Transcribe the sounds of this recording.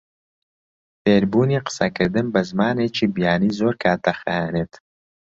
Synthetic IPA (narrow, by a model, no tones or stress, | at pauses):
feːɾbuːniːqə̥sɐkɨɾd̪ɨnbɐzmaːnet͡ʃiːbijaːniːzoːɾkʰaːt̚d̪ɐxaeneːt̪